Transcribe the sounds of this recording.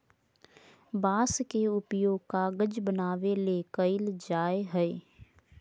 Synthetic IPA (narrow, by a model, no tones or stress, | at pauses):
baːskeʊpjoːɡ̚kaɡəd͡ʒbənaːʋelekəɪld͡ʒaːeɦɛe